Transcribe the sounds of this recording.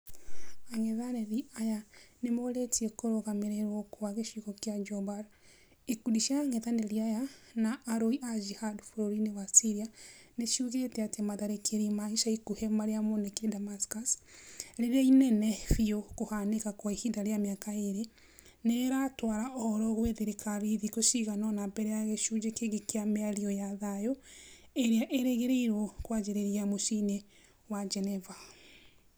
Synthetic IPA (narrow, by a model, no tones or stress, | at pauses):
aŋeðaɾeɾiajanemoɾetiɛkoɾoɣameɾɛɾwɔkoβaɣeʃukɔkjad͡ʒɔbaɾ | ekudiʃiaŋɛðaneɾiajanaʔːɾoiʔad͡ʒihadfuɾoɾineβasiɾianeʃiuɣetɛatɛmaðaɾekʰeɾimaiʃaikuhemaɾeamonekeedamaskasɾeɾeainɛnɛfiokohanekakwaihidaɾeameakaeɾe | neɾatwaɾaʔɔɾɔɣoweðeɾekʰaβiðikoʃiɣanɔnabɛɾɛjaɣeʃud͡ʒekeɣekeameaɾiɔjaðajoeɾeaʔeɾeɣeɾeiɾwɔkwad͡ʒeɾeɾiamoʃine | wad͡ʒɛnɛva